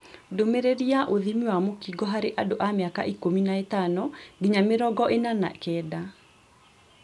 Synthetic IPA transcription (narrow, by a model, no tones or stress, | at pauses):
domeɾeɾiaʔoðimiwamokiɡɔɦaɾeʔadoʔameaka̰ʔikominaetanɔɡiɲameɾɔɡɔʔenana̰kɛːda